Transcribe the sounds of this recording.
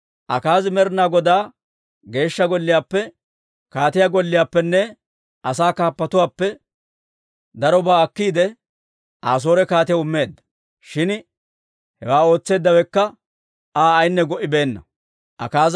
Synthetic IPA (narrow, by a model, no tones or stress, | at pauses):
ʔɐkaːzmɛɾnaːɡɔd̪aː | ɡe̞ːʃːɐɡɔlːɪjaːpːɛ | kaːt̪ɪjaɡɔlːɪjaːpːɛnːɛ | ʔɐsaːkaːpːɐt̪ʊwaːpːɛ | d̪ɐɾɔbaːɐkːiːd̪ɛ | ʔaːs̬o̞ːɾɛkaːt̪ɪjɐʊmːe̞ːd̪ːɐ̥ | ʃɪn | hɛwaːo̞ːt͡sːe̞ːd̪ːɐwɛkːɐ | aːɐjnːɛɡɔʔɪbe̞ːnːɐ | ʔɐ̰kaːz